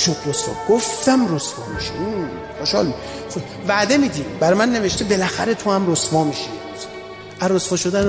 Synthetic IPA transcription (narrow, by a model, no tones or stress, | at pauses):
ʃokʰɾosfɒ̰ːbɡoft̪ʰæmrosfɒ̰ːmiʃiin | xoʃɒ̰ːlmi | væd̪e̞miːd̪iːd̪bæɾɒjmænːe̞veʃt̪ebe̞læxæɾe̞t̪ʰohæmrosvɒːmiʃi | æɾosfɒːʃod̪æn